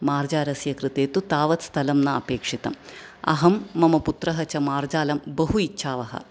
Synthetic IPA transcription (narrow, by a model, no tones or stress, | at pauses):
maːrd͡ʑaːɾɐsjɐkrɨt̪eːt̪ːut̪aːʋɐt̪st̪ʰɐlɐmnɐɐpeːkʂit̪ɐ̰mɐ̰ɦɐmːɐmɐput̪rɐɦɐt͡ɕɐmaːrd͡ʑaːlɐmbɐɦuitːɕʰaːʋɐɦɐ̰